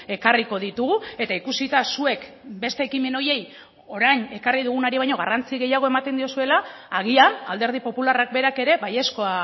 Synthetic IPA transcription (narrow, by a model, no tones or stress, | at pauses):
e̞kariko̞ðit̪uɣue̞t̪aikusit̪asue̞k | be̞st̪e̞ːkime̞no̞je̞j | o̞ɾajɲe̞kariðuɣ̞unaɾiβajɲo̞ɣa̰rant͡siɣ̞e̞jaɣ̞o̞e̞mat̪e̞nd̪io̞sue̞laː | ɣ̞iana̰ld̪e̞ɾð̞ipo̞pularak̚be̞ɾake̞ɾe̞βaje̞sko̞a